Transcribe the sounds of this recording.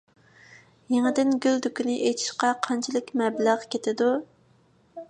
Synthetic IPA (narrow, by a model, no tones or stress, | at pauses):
jeŋɪd̪ɪnɡʲyld̪ykʲinɪʔet̪ʰi̥ʃqɑqʰɑnt͡ʃʰilˠɪkʲmɛblæʁkʲʰet̪ʰɪd̪u